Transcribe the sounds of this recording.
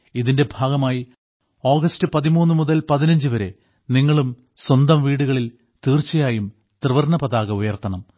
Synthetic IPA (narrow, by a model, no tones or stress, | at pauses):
iðinde̞bʱaːɡɐmaːji | o̞ːɡɐstɨpɐðimuːnːumuðɐlpɐðinɐɲd͡ʑuʋɐɾe̞ | niŋːɐɭum | swɐnd̪ɐmʋiːɽuɣɐɭil | t̪iːrt͡ɕːɐjaːjum | t̪rɨʋɐrɳɐpɐðaːɣɐujɐrt̪ːɐɳɐm